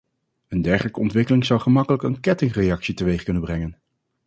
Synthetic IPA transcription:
əndɛɹχələkəɔntʋɪkəlɪŋzʌwχəmɑkələkənkɛtɪŋrejɑksitəʋejχkɵnənbrɛŋən

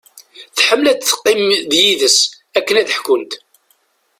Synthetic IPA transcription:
θħəmːlæt͡sθə̥qːɪmðjiðəs | ækːənæðəħkʊnt̪

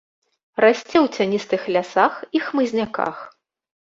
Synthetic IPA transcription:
rasʲt͡sʲɛwt͡sʲanʲist̪ɨxlʲasaxixmɨzʲnʲaka̰x

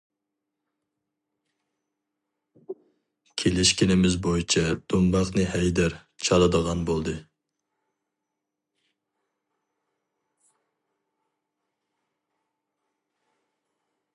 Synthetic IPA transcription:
kʲʰelɪʃkʲinɪmɪzbojit͡ʃʰɛd̪̥umbɑχnɨhɛjd̪æɾ | t͡ʃʰɑlˠɨd̪əʁɑnbolˠd̪ɨ

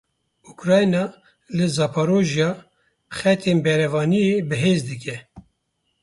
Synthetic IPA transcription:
ukɾɑːjnɑː | lɨzɑːpʰɑːɾoːʒjɑː | χɛt̪ʰeːnbɛɾɛvɑːnijebɨɦeːzd̪ɨkʰʲɛ

